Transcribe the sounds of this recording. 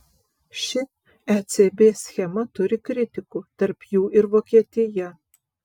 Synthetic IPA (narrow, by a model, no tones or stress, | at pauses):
ʃʲɪ | ɛt̪sʲebʲeːsʲxʲɛmɐt̪ʊɾʲɪkɾʲɪt̪ʲɪkʊt̪ɐɾpjuːʔɪɾʋoːkʲiɛt̪ʲɪjɛ